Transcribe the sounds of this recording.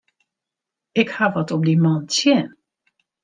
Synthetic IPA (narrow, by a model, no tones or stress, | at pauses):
ɪkhaʋɔtɔp̚dimɔntjɪn